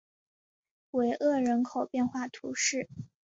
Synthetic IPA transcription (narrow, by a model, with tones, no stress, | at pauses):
we˧˥ɪʔɤ˥˩ɻə˧˥nkʰo˨˩ʊpjɛ˥˧nxwa˥˩t̪ʰu˧˥ʂɻ̩˥˩